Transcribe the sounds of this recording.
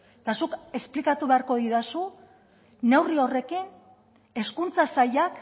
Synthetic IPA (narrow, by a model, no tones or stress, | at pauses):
t̪asuke̞splikat̪uβe̞aɾko̞ðiðasuː | e̞wrio̞re̞kin | e̞skunt͡sasajak